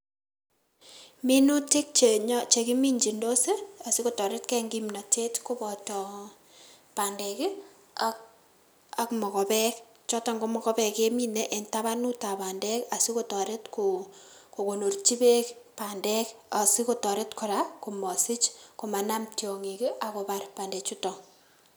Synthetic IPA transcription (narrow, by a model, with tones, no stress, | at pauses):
mi˦nu˦te˦k̚t͡ʃe˨ɲɔ˦t͡ʃe˨ki˦mi˦ɲd͡ʒi˨ndo˦se˦a˨si˦ko˦tɔ˨ɾe˦t̚kɛ˦ŋɡi˦mna˨te˦tko˦bɔ˨tɔ˨ | pa˨ndɛ˨ki˦ | a | a˦kmɔ˨kɔ˨pɛ˦k | t͡ʃɔ˦tɔ˨ŋɡomɔ˨kɔ˦pɛ˨ke˦mi˦nɛ˦ʔe˨nta˦βa˦nu˦ta˨pa˨ndɛ˦ka˨si˦ko˦tɔ˨ɾe˦tkuko˨ko˨no˨rt͡ʃi˦be˦kpandɛka˨si˦kotɔ˨ɾe˦tkɔɾaku˨mɔ˨si˦t͡ʃko˨ma˨namtjo˨ŋi˨ki˦ʔa˨ko˨ba˦rpa˨ndɛ˨t͡ʃutɔ˨